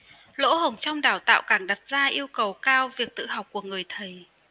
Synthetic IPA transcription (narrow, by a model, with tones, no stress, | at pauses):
lo̰˧˥ɦə˨˩wŋ͡mt͡ɕɔ˧wŋ͡mɗaː˨˩wt̪a̰ː˧˨wkaː˧˩ŋɗa˨˩t̚zaː˧ʔi˧əwkə˨˩wkaː˧wvi˨˩ək̚t̪ɨ̰˧˨ɦa˨˩wk͡p̚ku˧˩əŋɨ˨˩əjt̪ʰə˨˩j